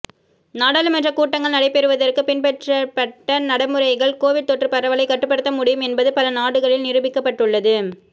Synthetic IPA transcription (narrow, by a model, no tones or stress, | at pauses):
naːɽaːlɯmɐndrɐkuːʈːɐŋɡɐɭnɐɽɐɪpːɛɾɯʋɐðɐrkɯpɪnpɛʈrɐpɐʈːɐnɐɽɐmɯɾɐɪɣɐɭkoːʋɪɽ̚t̪ɔʈrɯpɐɾɐʋɐlɐɪkːɐʈːɯpːɐɽɯt̪ːɐmʊɽɪjɯmɛnbɐðɯpɐlɐnaːɽɯɣɐɭɪlnɪɾɯbɪkːɐpːɐʈːɯɭːɐðɯ